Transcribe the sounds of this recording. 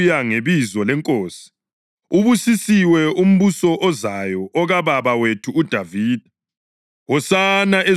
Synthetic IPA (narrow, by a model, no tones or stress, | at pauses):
jaŋeβizɔlɛŋkʼoːsi̥ | uβusisiwɛum̩βusɔʔɔzajɔʔɔɣaβaβawetʰuːd̥ʱaviːd̥ʱi | wɔsanaʔe